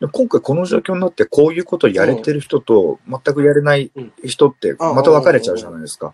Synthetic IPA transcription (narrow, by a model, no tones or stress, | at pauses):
d̪e̞mokõ̞ŋkaiko̞no̞ʑo̞ːkʲo̞ːɲ̟inat̪ːe̞kʰo̞ːjɯ̟ːko̞t̪o̞jaɾe̞t̪e̞ɾɯ̟çi̥t̪ot̪o̞̰mat̪ːakɯ̟jaɾe̞naiçi̥t̪o̞t̪ːe̞̰mat̪aβ̞akaɾe̞t͡ɕaɯ̟ʑanaid̪e̞sɨ̥ka̰